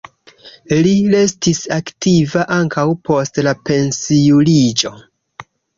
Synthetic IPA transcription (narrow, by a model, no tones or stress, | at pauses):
lile̞stisaktivaʔaŋkawpo̞stlape̞nsiulid͡ʒo̞